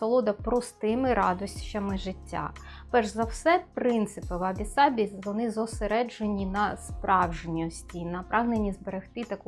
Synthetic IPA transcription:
sɔlˠud̪ɐpɾɔst̪ɪmɪɾɑd̪ɔsʲt͡ʃɐmɪʒɪtʲːa̰ | pɛrʒzɐwsɛpɾɪnt̪sɪpɪʋɐbʲisɑbʲiʋɔnɪzɔseɾɛd͡ʒenʲinɐspɾʔɑwʒenʲiɔsʲtʲinɐpɾʔɑɦnenʲːizbeɾext̪ɪt̪ɐk

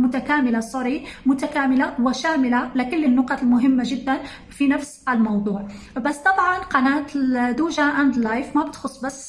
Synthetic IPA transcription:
mʊt̪akaːmɪlasˤɑɾiːmʊt̪akaːmɪlawɪʃaːmɪlalakɪlːɪnːʊqɑlmʊɦɪmːaʒɪd̪ːan | finafsɪlmɑwðˤuːʕ | basːt̪ˤɑfʕɑnqɑnaːt̪ɪd̪uːʒaʔand̪lajfmabɪt̪xʊsˤːbasː

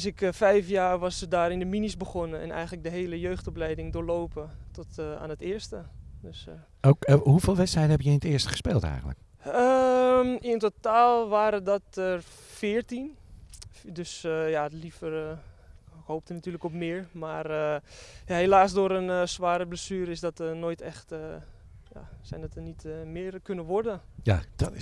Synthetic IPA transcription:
s̬ɪkfɛjfjaːrʋɑsədaːɾɪndəminisbəχɔnənɛ̰nɛ̰jŋələk̚dəɦeːləjøːxtɔplɛjdɪŋdʊːɹlowpətɔta̰ːnətɪːəɹstədøs | okɦuveːlˠʋɛtstrɛjdən̩ɦɛpjəɪnətɪːɹstəχə̥spḛːlˠtɛ̰jχəntlə̰k | əmɪntotaːlˠʋaːɾədɔtər | fɪərtin | døsjalifər | howp̚tənatyːələkɔpmɪəɹmaːrəjahelaːsdoːɾənsʋaːɾəbləsyːəɾɪsdɔtənoːjtʰɛxtə | ja̰sɛjndɔtənitmɪərkønəʋɔrdəjad̥ɔt

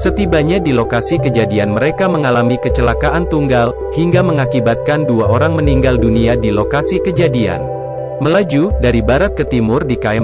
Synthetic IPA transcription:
sət̪ibaɲadilokasikəd͡ʒadianməɾekaməŋalamikət͡ʃəlakaʔant̪uŋɡal | hiŋɡaməŋakibat̪̚kanduaʔoɾaŋməniŋɡalduniadilokasikəd͡ʒadia̰n | məlad͡ʒudaɾibaɾat̪̚kət̪imʊrdikaɛ

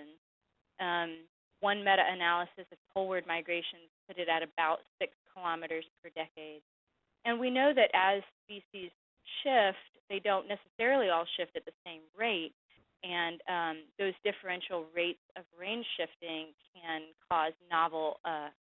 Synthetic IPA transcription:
nz̥ | m | wʌ̃nmɛɾɨʔɨnælˠəsɨsʌv̥pʰolˠwə˞d̚maɪɡɹeɪʃɨ̃nz̥pʰʊɾɨɾɨɾɨbaʊtsɪkskʰəlɑmɨɾə˞z̥pʰə˞dɛkeɪd | ɨ̃nwinoʊðɨɾʔɨz̥spisiz̥ | ʃɪft̚ðeɪdõʊ̃nːɛsɨsɛɹl̩ˠiɔlˠʃɪftɨt̪̚ðɨsẽɪ̃mɹeɪt̚ | ɨ̃ñmðoʊzdɪfə˞ɛ̃nʃl̩ˠɹeɪtsʌvɹẽɪ̃nʒ̥ʃɪftɪ̃ŋkʰɨ̃nkʰɔznɑvl̩ˠʌ

